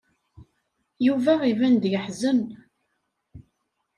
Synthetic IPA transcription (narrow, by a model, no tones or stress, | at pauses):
juvæivænd̪jəħzən